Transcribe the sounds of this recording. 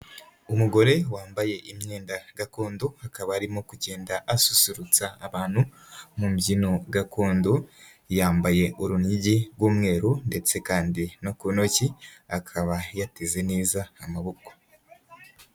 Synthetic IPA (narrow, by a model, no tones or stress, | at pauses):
umuɡo̞ɾe̞waːmbaje̞ʔimɲe̞ːndaɡakoːndoakaβaːɾimo̞kuɟe̞ːndaʔasu̥suɾut͡saːβaːn̥hu | mumɟino̞ɡakoːndo | jaːmbaje̞ʔuɾuniɟiɡwuːmŋe̞ːɾunde̞t͡se̞kaːndinokuno̞ciakʰaβajateze̞neːzaːmaβoko̥